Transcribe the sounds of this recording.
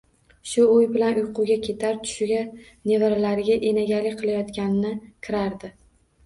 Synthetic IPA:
ʃʊʊjbɪlanʊjqʰʊɡʲakʲʰe̞t̪ʰaɾt̪ʰʊ̥ʃɪɡʲa | nevaɾalaɾɪɡʲaʔenaɡʲalɪkʲqʰɨlˠajɒt̪kʲanɪnɪkʲʰɪɾaɾd̪ɪ

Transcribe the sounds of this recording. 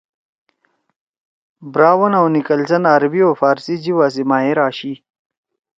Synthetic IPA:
bɾaːwɐnawnikɐlzɐnaːɾbioːfaːɾsid͡ʑiwaːs̬imaːiɾaːɕi

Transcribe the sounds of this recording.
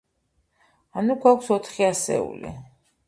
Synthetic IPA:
anuɡwakʰʷsɔt̪ʰχiasɛ̰ṵlḭ

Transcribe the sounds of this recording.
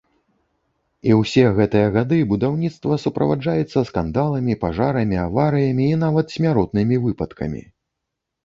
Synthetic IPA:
iwsʲɛɣɛt̪ɨjɐɣad̪ɨbud̪awnʲit̪st̪vɐsupɾɐ̰vad͡ʐajɛt̪sːɐskand̪alˠɐmʲipaʐaɾɐmʲiavaɾɨjɐmʲiːnavɐt̪sʲmʲaɾɔt̪̚nɨmʲivɨpɐt̪kɐ̰mʲḭ

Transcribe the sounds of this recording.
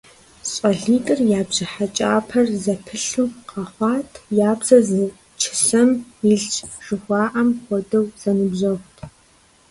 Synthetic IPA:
ɕʼɐɮiːtʼɨrjaːbʑɪħat͡ʃʼaːpʰɐrzɐpʰɨɬuqɐχʷɑːtʰjaːbzɐzɨ | t͡ʃʰɪ̥sɐmiɮt͡ʃʼʐ̥ɨxʷɑːʔɐmxʷɔdɐwz̥ɐnɨbʒɐxʷtʰ

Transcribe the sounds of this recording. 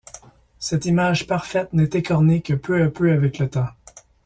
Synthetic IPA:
sɛt̪imaʒpaʁfɛt̪nɛt̪ekɔʁnekəpʰøapøavɛklət̪ã

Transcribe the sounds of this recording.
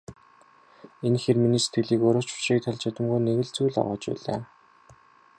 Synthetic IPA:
enxerminiːse̥t̪̚ɡɘ̆ɮiːkɵɾʊːt͡ɕʊ̥ʃiːk̚t̪ʰaɮt͡ɕʰat̪ə̆mɡujneɣɘ̆ɮt͡sujɮɔ̰ʁɔ̰ːt͡ɕpæ̰ːɮaː

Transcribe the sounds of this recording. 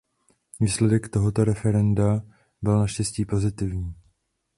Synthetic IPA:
viːslɛdɛkt̪o̞ɦo̞t̪o̞ɾɛfɛɾɛnda | bɪlnaʃcɛsciːpo̞zɪt̪ɪvɲiː

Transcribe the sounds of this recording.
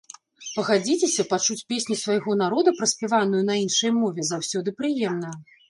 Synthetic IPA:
pɐɣad͡zʲit͡sʲesʲɐpat͡ʂut͡sʲpʲesʲnʲisvajɣɔn̪aɾɔd̪ɐpɾɐsʲpʲɛvanujun̪ɐinʂɐjmɔvʲɛzawsʲɔd̪ɨpɾɨjɛmnɐ

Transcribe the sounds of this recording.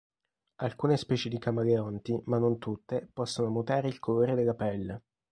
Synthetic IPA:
alkuːnespɛːt͡ʃed̪ikamaleɔnt̪imanːont̪ut̪ːepɔsːonomut̪aːɾeilkʰoloːɾed̪elːapɛlːe

